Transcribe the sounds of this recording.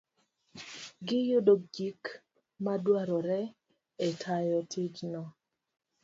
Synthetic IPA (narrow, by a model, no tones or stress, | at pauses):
ɡɪjʊdod͡ʒik | madwaɾɔɾɛ | etʰajɔtʰid͡ʒnɔ